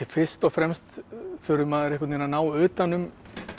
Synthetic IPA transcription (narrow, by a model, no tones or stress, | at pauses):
ɪfɪr̥st̪ɔɣfɾɛmst̪fʏɾʏmaðɛɾɛhkʏt̪eːnanaːwʏːt̪anːʏm